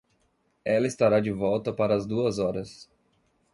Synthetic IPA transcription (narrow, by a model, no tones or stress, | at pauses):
ɛlɐist̪aɾad͡ʒɪvɔwt̪ɐpaɾɐːzd̪uɐzɔɾɐs